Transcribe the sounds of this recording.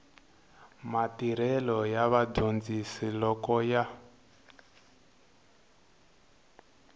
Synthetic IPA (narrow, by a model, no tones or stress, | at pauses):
matiɾ̤ɛlɔjaβadond͡zisilɔkɔja